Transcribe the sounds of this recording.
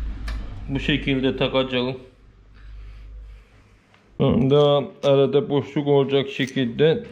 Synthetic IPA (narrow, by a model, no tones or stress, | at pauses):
buʃecʰilʲd̪ɛt̪ʰakad͡ʒalˠɯ | d̪aæɾɛd̪ɛboʃlukolˠd͡ʒakʃecʰʲilʲd̪ɛ